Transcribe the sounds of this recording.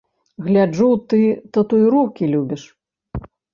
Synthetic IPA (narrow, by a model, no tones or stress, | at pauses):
ɣlʲad͡ʐut̪ɨt̪ɐt̪ujiɾɔwkʲilʲubʲiʂ